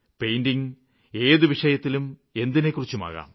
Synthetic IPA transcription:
pe̞jndiŋ | e̞ːðɨʋiʂɐjɐt̪ːilume̞nd̪ine̞kːurit͡ɕːuma̰ːɣa̰ːm

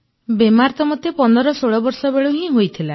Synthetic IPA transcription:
bemaɾt̪ɔmɔt̪epɔnd̪ɔɾɔsoɭɔbɔɾsɔbeɭuɦĩɦojt̪ʰila

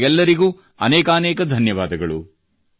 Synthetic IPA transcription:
ɛlːɐɾiɡuː | ɐ̰nɛːkaːnɛːkɐd̪ʱɐnjɐʋaːd̪ɐɡɐɭṵ

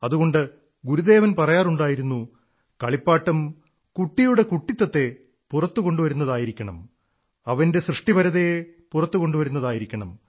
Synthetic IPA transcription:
ɐðuɣo̞ɳɖɨ | ɡuɾud̪e̞ːʋɐnpɐrɐjaːruɳɖaːjiɾunːu | kɐɭipːaːʈːɐm | kuʈːijuɽe̞kuʈːit̪ːɐt̪ːe̞ | purɐt̪ːuko̞ɳɖuʋɐɾunːɐðaːjiɾikʲːɐɳɐ̰m | ɐʋɐnde̞srɨʂʈibɐɾɐðepurɐt̪ːuko̞ɳɖuʋɐɾunːɐðaːjiɾikʲːɐɳɐm

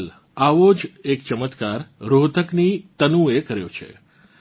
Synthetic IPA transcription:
l | aʋod͡ʒekt͡ʃəmət̪kaɾɾod̪ʱəknit̪ənũekəɾjo̰t͡ʃʰḛ

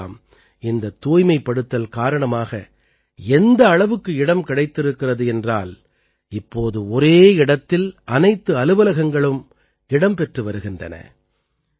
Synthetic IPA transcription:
m | ɪnd̪ɐt̪ːuːjmɐɪpːɐɽɯt̪ːɐlkaːɾɐɳɐmaːɣɐ̰ | ɛnd̪ɐːɭɐʋɯkːɯɪɽɐmkɪɽɐɪt̪ːɪɾɯkːɪrɐðɯɛndra̰ːl | ɪpːoːðɯɔɾeːɪɽɐt̪ːɪlʔɐnɐɪt̪ːɯɐlɯʋɐlɐɣɐŋɡɐɭɯm | ɪɽɐmpɛʈrɯʋɐɾɯɣɪndrɐ̰nɐ̰

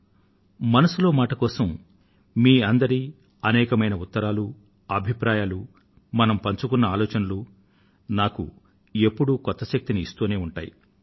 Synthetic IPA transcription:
mɐnɐsulo̞ːmaːʈɐkɔːsɐm | miːɐnd̪ɐɾi | ɐnɛːkɐmɐjnɐut̪ːɐɾaːlu | ɐbʱipɾaːjaːlu | mɐnɐmpɐɲt͡ʃukunːɐaːlɔːt͡ʃɐnɐlu | naːkṵ | e̞pːuɽukɔt̪ːɐʃɐk̚t̪iniːst̪uːne̞ːuɳʈa̰ːjḭ

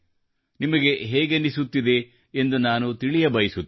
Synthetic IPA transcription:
nimɐɡe̞ɦɛːɡenisut̪ːid̪e̞ː | nd̪unaːnut̪iɭijɐbɐjisut̪ː

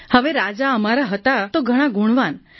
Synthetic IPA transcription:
həʋeɾad͡zaəmaɾaɦət̪at̪oɡʱəɽ̃ãɡuɽ̃ʋan

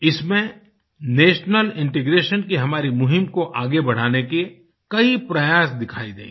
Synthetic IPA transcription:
ɪsmẽ | neːʃnəlɪ̃ɳʈɪɡɾeːʃənkeɦɐmaːɾimʊɦɪmkoʔaːɡebɐɽ̤aːneke | kɐipɾɐjaːsd̪ɪkʰaːid̪ḛ̃ː

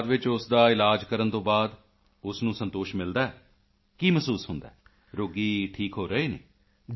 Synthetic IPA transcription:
d̪ʋɪt͡ʃʊsd̪aːɪlaːd͡ʒkəɾənt̪õːbaːd̪ | ʊsnũːsənt̪oːʃmɪld̪aːɛː | kiːməsuːsɦʊnd̪a̰ː | ɾoːɡiːʈʰiːkɦoːɾəeːnḛː

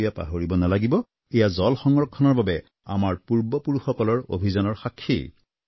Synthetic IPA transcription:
ijapa̰ɦoɹibɔnalaɡibɔ | ɛjazɔlxɔŋɹɔkʰːɔnɔɹbabɛ | a̰maɹpuɹbɔpuɹuxɔkɔlɔɹo̰bʱizanɔɹxakʰːḭ

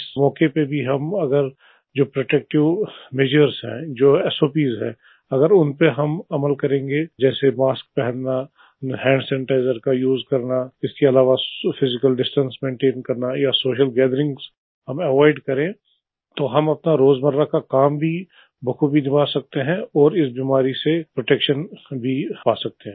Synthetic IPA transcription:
ɪsmɔːkepebʱiɦɐmɐɡəɾ | d͡ʒoːpɾoːʈɛk̚ʈɪʋmeːd͡ʒəɾzɦɛ̰̃ːd͡ʒoːɛːsoːpiːzɦɛ̰̃ː | ɐɡəɾʊnpeɦɐmɐməlkɐɾẽːŋɡed͡ʒɛːsemaːsk̚pɛɦɛ̃nna | hɛ̃ːɳɖsɛ̃ːɳʈaːɪzəɾkajuːzkɐɾnaɪskeɐlaːʋafʰɪzɪkəlɖɪsʈə̃nsmẽːɳʈeːnkɐɾnajasoːʃəlɡɛːd̪əɾɪ̃ŋɡz | ɦɐmɛʋɔːɪɖkɐɾẽ | t̪oɦɐmɐpnaɾoːzmɐɾːakakaːmbʱi | bʱɐkʰubʱinɪbʱaːsɐk̚t̪eɦɛ̃ɔːɾɪsbiːmaːɾisepɾoʈɛkʃənbʱipaːsɐk̚t̪eɦɛ̃

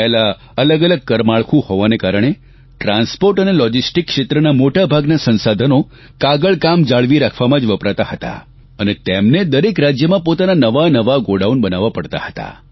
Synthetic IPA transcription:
ɛɦela | ələɡələɡ̚kəɾmaɭkʰũhoʋanekaɾəɳ̃e | ʈɾãnspoɾʈənelɔd͡ʒisʈikːʂet̪ɾənamoʈabʱaɡnasə̃nsad̪ʱəno | kaɡəɭkamd͡ʒaɭʋiɾakʰʋamãd͡ʒʋəpɾat̪ahət̪a̰ | ənet̪emned̪əɾekɾad͡ʒjəmãpot̪ananəʋanəʋaɡoɖaunbənaʋapəɽt̪a̰hət̪a̰

